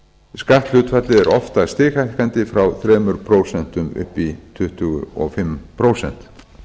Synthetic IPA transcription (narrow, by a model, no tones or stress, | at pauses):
skaht̪l̥ʏt̪fat̪lɪðɛɾʔɔft̪ast̪ɪːxajkant̪ɪfɾawθɾɛːmʏɾpʰɾoːwsɛn̥t̪ʏmʏ̰hpit̪ʰʏht̪ʏɣʏ̰ɔ̰ɣfɪmpʰɾoːwsɛ̰n̥t̪